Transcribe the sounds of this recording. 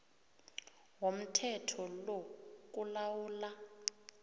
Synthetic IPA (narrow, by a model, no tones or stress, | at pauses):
wom̩tʰɛtʰɔlok̬ʼulawuːla